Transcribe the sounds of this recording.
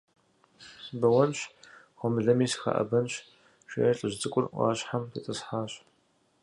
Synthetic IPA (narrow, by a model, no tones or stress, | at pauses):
bɐwɐnɕ | χʷɔmɨɮɐmiːsxa̰ʔɐ̰bɐnɕ | ʃʷḛːɬʼɨʑʷt͡sʼɨkʷʼʊrʔʷɑ̰ːɕħamit͡sʼɨsħaːɕ